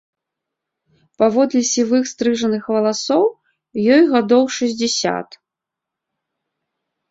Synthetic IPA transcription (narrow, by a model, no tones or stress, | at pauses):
pavɔd̪lʲɛsʲivɨxst̪ɾɨʐɐnɨxvɐlˠasɔw | jɔjɣad̪ɔwʂɐzʲd͡zʲɛsʲa̰t̪